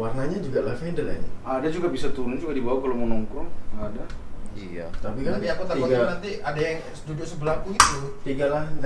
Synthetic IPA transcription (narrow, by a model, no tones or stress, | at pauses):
warnaɲad͡ʒuɡalahnidala̰ɲadad͡ʒuɡabisat̪uɾʊnɲad͡ʒuɡadibawakalawmunɔŋkʊŋadaiat̪apikaiakut̪aiaŋɡanant̪iadajaŋ | sə̥t̪udiosəbəlakuit̪ut̪iŋɡala